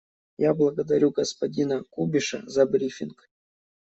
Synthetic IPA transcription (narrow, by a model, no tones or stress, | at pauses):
jablˠɐɡəd̪ɐɾʲuɡəspɐdʲinəkubʲɪʂə̰zɐbɾʲifʲink